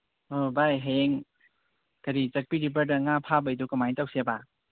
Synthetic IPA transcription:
obajɦajeŋ | kɐɾit͡ʃɐk̚piɾibədɐŋapʰabajdukɐmajtawseba

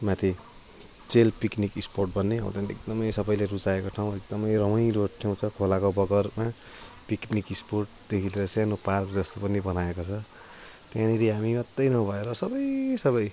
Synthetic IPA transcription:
mat̪ʰi | t͡selpiknikisporʈ̚bʱʌnːeʌ̰ṵ̃t̪ʌnḛk̚d̪ʌmʌjsʌbʌjleɾut͡saekoʈʰaw̃ek̚d̪ʌmʌjrʌmʌjloʈʰːew̃t͡sʰʌkʰolakobʌɡʌrma | piknikisporʈ̚d̪̥ekʰileɾʌsjãnoparkd͡zʌst̪opʌnibʌnaekot͡sʰʌ | t̪jãniɾiɦamimʌt̪rʌjnʌbʱʌeɾʌsʌbʌjsʌβʌj

